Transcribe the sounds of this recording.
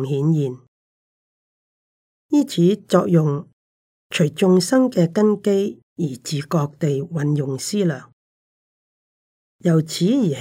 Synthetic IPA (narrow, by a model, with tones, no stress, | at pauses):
hiː˨˥njiː˨˩n | jiː˥t͡sʰiː˨˥t͡sɔː˧k̚jʊ˨ŋ | t͡ʃʰɵ˨˩ɥt͡sʊ˧ŋsɐ˥ŋkɛː˧kɐ˥nke˥j | jiː˨˩t͡siː˨kɔː˧k̚t̪e˨jwɐ˨njʊ˨˩ŋsiː˥lœː˨˩ŋ | jɐ˨˩wt͡sʰiː˨˥jiː˨˩h